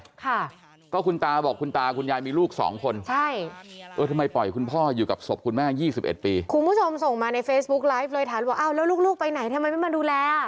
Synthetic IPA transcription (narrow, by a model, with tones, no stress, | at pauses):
kʰa˥˩ | kɔː˥˩kʰu˧nt̪aː˧bɔː˨˩kʰːu˧nt̪aː˧kʰu˧njaː˧jmiː˧luː˥˩k̚sɔ̰ː˩˦ŋkʰo˧nt͡ɕʰa˥˩jʔɤː˧t̪ʰa˧ma˧jpɔ˨˩jkʰu˧npʰɔː˥˩juː˨˩ka˨˩p̚so˨˩p̚kʰu˧nmɛː˥˩jiː˥˩si˨˩p̚ʔḛ˨˩t̪̚piː˧kʰu˧nbu˦˥˩t͡ɕʰo˧mso˨˩ŋmaː˧na˧jfeː˦˥sbu˦˥k̚la˦˥jf̚lɤː˧t̪ʰaː˩˦nwaː˧˩ʔaː˧˥˩wlɛː˦˥wluː˥˩k̚luː˥˩k̚pa˧jna˨˩˦jt̪ʰa˧mːa˧jma˥˩ma˧duː˧lɛː˧